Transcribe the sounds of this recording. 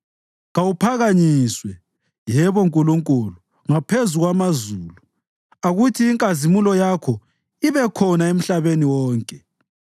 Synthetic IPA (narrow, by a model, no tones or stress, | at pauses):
ɣawupʰaɣaɲiswɛ | jɛβɔŋkʼuluŋkʼulu | ŋapʰezuɣwamazuːlu | aɣutʰiːŋkʼazimulɔjakʰɔ | iβɛkʰɔnaem̩ɬaβeniwɔːŋkʼɛ